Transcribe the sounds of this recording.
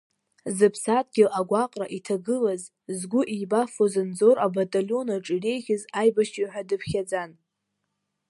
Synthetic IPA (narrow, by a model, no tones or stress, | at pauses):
zɨpʰsatʼɡʲɪʔaɡʷaqʼra̰ʔitʰaɡɨlaz | zɡʷʊʔibafozɨnd͡zo̞ɾʔabatʼaljo̞naʈ͡ʂʼire̞jχʲɪzajbaʃiħʷᶣadɨpʰχʲad͡zan